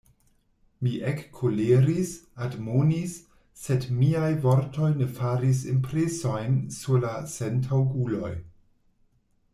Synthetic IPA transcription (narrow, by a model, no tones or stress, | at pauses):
miʔekːʰoleɾisadmonisː | edmiajvo̞ɾtʰo̞jnefaɾis̬impɾeso̞jnsuɾlasentʰawɡulo̞̰j